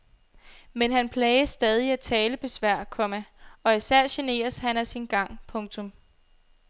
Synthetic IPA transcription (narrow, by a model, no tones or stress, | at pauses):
menɦænpʰlɛːɪɐsd̥ɛːð̞ˠiæt͡sʰɛːləpʰe̝sʋæɐ̰kʰɒ̽mæɒ̽isæɐ̰ɕe̝ne̝̰ːɐshænæsinɡ̥ɑ̈ŋ̰pʰɔ̽ŋt͡sʰɔ̽m